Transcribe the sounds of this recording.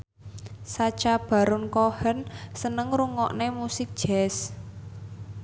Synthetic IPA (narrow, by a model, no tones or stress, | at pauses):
sat͡ʃab̥ä̤ɾʊnkohənsənəŋruŋɔʔnemusɪk̚d̥ʒ̥ɛs